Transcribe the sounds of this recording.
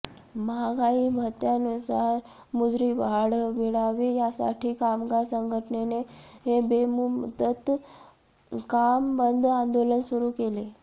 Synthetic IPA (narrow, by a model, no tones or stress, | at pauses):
maɡaibʱət̪janusaɾ | mud͡zɾiːbʱaɽʋiɽaʋiːjasa̰ʈʰiːkamɡasəŋɡʱəʈəneneɦebemumt̪ət̪ | kambənd̪ʱãnd̪olənsuɾuːkele